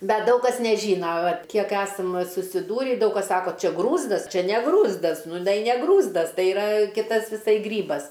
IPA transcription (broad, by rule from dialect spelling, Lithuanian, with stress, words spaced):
ˈbʲɛt ˈdɐʊk kɐs nʲɛˈʒʲiːnɐ ˈʋɐt ˈkʲiɛk ˈæːsɐm sʊsʲɪˈduːrʲɪ ˈdɐʊk kɐs ˈsɑːkoː ˈt͡ʃʲɛ ˈɡruːzdɐs ˈt͡ʃʲɛ nʲɛ ˈɡruːzdɐs nʊ ˈnɐɪ nʲɛ ˈɡruːzdɐs ˈtɐɪ ɪˈrɐ ˈkʲɪtɐs ʋʲɪˈsɐɪ ˈɡrʲiːbɐs